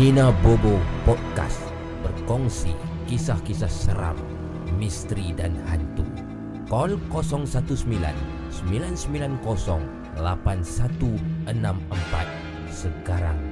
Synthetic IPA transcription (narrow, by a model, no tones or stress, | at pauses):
ninabobopɔt̪̚ka̰s | bərkɔŋsḭkisahkisahsəɾa̰mː | ist̪ɾidanhant̪ṵ | kɔlkɔsɔŋsat̪usəmbila̰n | səmbilansəmbilankɔsɔŋ | lapansat̪uʔənaməmpa̰t̪̚ | səkaɾa̰ŋ